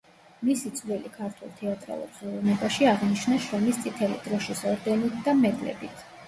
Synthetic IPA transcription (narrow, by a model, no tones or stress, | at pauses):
misit̪sʼvlilikʰaɾt̪ʰwɛlˠt̪ʰɛat̪ʼɾa̰lˠɔ̰bzɛlˠunɛbaʃiaʁniʃnaʃɾɛmist̪sʼit̪ʰɛlḭd̪̥ɾɔʃisɔɾd̪ɛnit̪ʰd̪amɛd̪lɛ̰bit̪ʰ